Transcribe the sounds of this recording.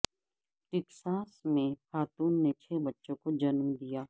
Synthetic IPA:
ʈɪksaːsmẽxaːt̪uːnːet͡ʃʰebɐtːʃõkod͡ʒɐnmd̪ijaː

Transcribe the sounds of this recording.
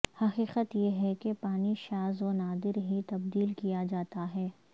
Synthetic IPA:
hɐqiːqət̪jeɦɛkepaːniʃaːzonaːd̪ɪɾɦit̪ɐb̚d̪iːlkijad͡ʒaːt̪aɦɛː

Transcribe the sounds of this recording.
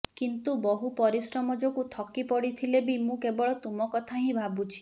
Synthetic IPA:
kint̪ubɔɦupɔɾisɾɔmɔd͡ʒɔkut̪ʰɔkipɔɽit̪ʰilebimũkebɔɭɔt̪umɔkɔt̪ʰaɦĩbʱabut͡ʃʰi̥

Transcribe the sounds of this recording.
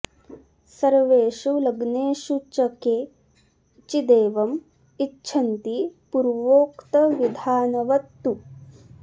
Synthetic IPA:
sɐɾʋeːʃulɐɡneːʃut͡ʃɐkeː | t͡ʃid̪eːʋɐm | itːʃʰɐnt̪ipuɾʋoːkt̪ɐʋid̪ʱaːnɐʋɐt̪ːu

